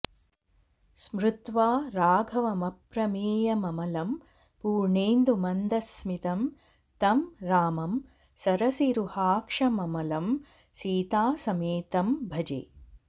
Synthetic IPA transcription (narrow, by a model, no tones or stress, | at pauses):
smɾut̪ʋaːɾaːɡʱɐʋɐmɐpɾɐmeːjɐmɐmɐlɐm | puːɾɳeːnd̪umɐnd̪ɐsmit̪ɐm | t̪ɐmɾaːmɐm | sɐɾɐsiɾuhaːkʂɐmɐmɐlɐm | siːt̪aːsɐmeːt̪ɐmbʱɐd͡ʒḛː